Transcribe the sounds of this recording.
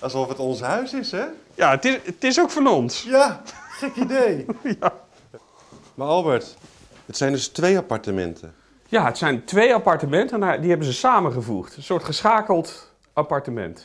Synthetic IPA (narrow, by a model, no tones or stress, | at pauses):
ɑlˠsɔfɦətɔnsɦœɥsɪsɦɛjaətɪtɪsowkfɔnɔnsjaχejnidejja | maɹɑlˠbəɹt | ɦətsɛjndɵstʋejapaɹtəmɛ̰ntʰə | jaːətsɛjntʋejapɑɹtəmɛntənadiɦɛbənzəsaːmənχəvṵχtənsʊːɹtχəsχaːkəlˠt | ʔapɑɹtəmɛ̰nt